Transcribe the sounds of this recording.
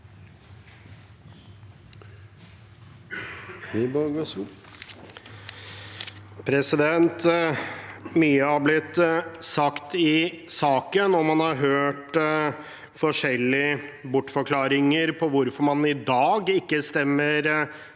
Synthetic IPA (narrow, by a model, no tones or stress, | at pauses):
ʋɪbɑɡo | pʰɾɛsɪd̪ɛnt̪ | myːəɑblɪt̪sɑkt̪ɪsɑːkənɔmhɑnhɑɾɦøːʈ | fɔʂɛlːɪəbʊʈːfɔɾkʰlɑːɾɪŋəɾpʰɔʋʊɾfɔɾmɑnɪd̪ɑːɡɪkːəst̪ɛmːəɾ